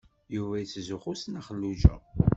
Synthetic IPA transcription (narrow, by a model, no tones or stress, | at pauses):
juvæjit͡sːzuχʊsnaχəlːuʒæ̰